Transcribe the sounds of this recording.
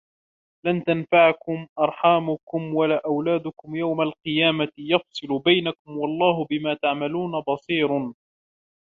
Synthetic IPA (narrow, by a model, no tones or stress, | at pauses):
lant̪anfaʕakʊmʔɑɾˤħaːmʊkʊmwalaːʔawlaːd̪ʊkʊmjawmalqɨjaːmajɑfsˤɨlʊbajnakʊmwɑlˤːɑːɦʊbɪmaːt̪aʕmaluːnabɑsˤiːɾ